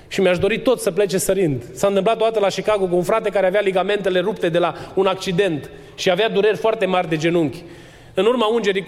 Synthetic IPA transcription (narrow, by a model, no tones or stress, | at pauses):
ʃimeaʃd̪o̞ɾit̪o̞t̪səple̞t͡ʃesəɾɨnd̪sant̪ɨmplat̪od̪at̪əlaʃikaɡokəunfɾat̪e̞kaɾeavealiɡame̞nt̪e̞le̞ɾupt̪e̞d̪e̞launak̚t͡ʃid̪e̞nt̪ | ʃiavead̪uɾe̞rʲfoart̪e̞marʲd̪e̞d͡ʒe̞nuŋkʲ | ɨnurmaund͡ʒe̞ɾi